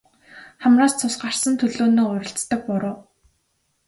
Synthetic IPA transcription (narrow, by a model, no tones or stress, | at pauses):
χæmraːst͡sʰʊsɢar̥sə̆nt̪ʰɵɮoːnoːʊɾʲɪ̆ɬt͡st̪ə̆k̚pʊɾʊː